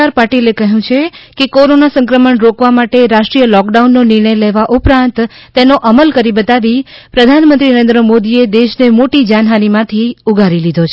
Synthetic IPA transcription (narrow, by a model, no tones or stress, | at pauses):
aɾpaʈilekəɦũt͡ʃʰekekoɾonasə̃ŋkɾəməɳɾokʋamaʈeɾaʃʈɾijəlɔkɖaunːonɪɾɳ̃əjleʋaʔupɾãnt̪ː | enoʔəməlkəɾibət̪aʋipɾəd̪ʱanmənt̪ɾinəɾẽnd̪ɾəmod̪ied̪eʃnemoʈid͡ʒanɦanimãt̪ʰiuɡʱaɾilid̪ʱot͡ʃʰ